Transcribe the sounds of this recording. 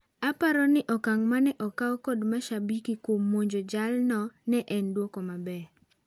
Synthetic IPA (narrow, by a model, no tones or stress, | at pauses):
apaɾɔnɪʔɔkaŋmanɛʔɔkaɔkɔdmaʃabikikwomːoɲd͡ʒod͡ʒalnɔnɛʔɛndwokɔmabɛ